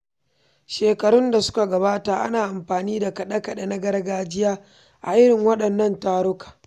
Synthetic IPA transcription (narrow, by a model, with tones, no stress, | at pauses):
ʃeː˨kɐ˨ɽʊ˦nda˨sʊ̥˦ka˨ɡɐ˨baː˦taː˨ʔa̰˦naː˨ʔa˨mɸaː˨niː˦da˨kɐ˨ɗɐ˦kɐ˨ɗa˨na˦ɡɐ˦ɾɐ˦ɡaː˦d͡ʒɪ˦jaː˦ | ʔa̰˨ʔɪ˦ɾɪ˨ŋwɐ˦ɗɐ˨nːɐ˦ntaː˦ɽʊ˦kḁː˨